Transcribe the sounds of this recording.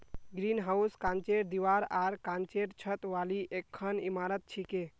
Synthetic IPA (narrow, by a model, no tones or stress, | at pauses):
ɡɾinɦauskãnt͡ʃeʈ̚d̪iʋaɾaɾkant͡ʃeʈt͡ʃʰət̪ʋaliʔekʰːənimaɾət̪̚t͡ʃʰike